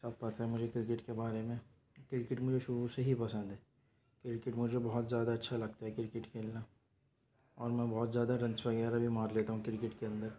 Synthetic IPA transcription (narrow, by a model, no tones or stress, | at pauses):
sat̪̚pat̪ʰɦɛmʊd͡ʒʱekɾɪkɪʈkebaːɾemẽ | kɾɪkɪʈmʊd͡ʒʱeʃʊɾuseɦipɐsə̃nd̪ɦɛː | kɪɾɪkɪʈmʊd͡ʒʱebɔɦɔt̪zjaːd̪aɐtːʃʰalɐɡ̚t̪aɦɛkɪɾɪkɪʈkʰeːlna | ɔːɾmɛ̃ːbɔːt̪zjaːd̪aɖɐ̃nsʋɐɣɛːɾɐbʱimaːɾleːt̪aɦũkɪɾɪkɪʈkeɐ̃nd̪əɾ